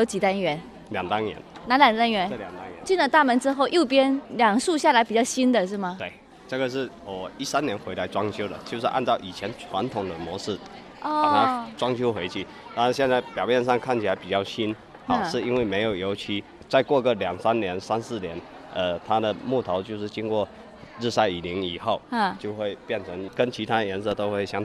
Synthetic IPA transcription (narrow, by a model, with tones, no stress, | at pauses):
jo˧˥ʊt͡ɕi˨˩t̪a˥nɥɛ˧˥n | ljɑ˨˩ŋt̪a˥nnjɛ̰˧˥˦nna˧˥nljɑ˨˩ŋt̪a˥nɥɛ˧˥nə˥˩˨ljɑ˨˩ŋt̪a˥nɛ̰˧˦t͡ɕi˥˧nlə˨˩t̪a˥˩mə˧˥nʈ͡ʂɻ̩˥xo˥˧ʊʔjo˥˩ʊp̬jɛ˥nljɑ˨˩ŋʂu˥˧ɕja˥˩la˧˥ɪpi˨˩t͡ɕjɑ˥˩ʊɕi˥nd̪ə˨ʂɻ̩˥˩mɐ˩t̪we˥˩ɪ | ʈ͡ʂə˥˩ɡə˩ʂ̬ɻ̩˥˩ | wɔ˨˩i˥sa˥njɛ˧˥nxwe˧˥ɪla˧˥ɪʈ͡ʂwɑ˥ŋʰjo˥ʊd̪ə̰˨t͡ɕjo˥˧ʊ˧ʂɻ̩˥˧ʔa̰˥˧nt͡sɑ˥˩ʊʔi˨˩t͡ɕʰjɛ˧˥nʈ͡ʂʰwa˧˥nt̪ʰʊ˨˩ŋd̪ə˦mwɔ˧˥ʂ̩˥˩ | ɔ˥˩˥na˥˧ʈ͡ʂwɑ˥ŋt͡ɕʰjo˥ʊxwe˧˥ɪt͡ɕʰi˧˥˩ | t̪a˥˩˧nɕjɛ˥˧nt͡sa˥˩ɪpjɑ˨˩ʊmjɛ˥˧nʂ̬ɑ˥˧ŋkʰa˥˩nt͡ɕʰi˨la˧˥ɪpi˨˩t͡ɕjɑ˥˩ʊɕi˥n | xɑ˨˩ʊ˩ʂɻ̩˥˧i˥nwe˥˩ɪme˧˥ɪjo˨˩ʊjo˧˥ʊt͡ɕʰi˧˥ | t͡sa˥˧ɪkwɔ˥˧ɡə˥˩ljɑ˨˩ŋsa˥nnjɛ˧˥nsa˥nsɹ̩˥˩njɛ˧˥n | ə˧t̪ʰa˥d̪ə˨mu˥˩t̪ʰo˧˥ʊt͡ɕjo˥˧ʊʂɻ̩˥˩t͡ɕi˥nkwɔ˥˧ | ɻ̩˥˧sa˥ɪi˨˩li˧˥ŋi˨˩xo˥˩ʊ˥˩t͡ɕjo˥˧ʊxwe˥˧ɪpjɛ˥˩nʈ͡ʂʰɤ˧˥ŋkə˥nt͡ɕʰi˧˥t̪ʰa˥d̪ə˨˩jɛ˧˥nsɤ˥˧˩t̪o˥ʊxwe˥˩ɪɕjɑ˥ŋ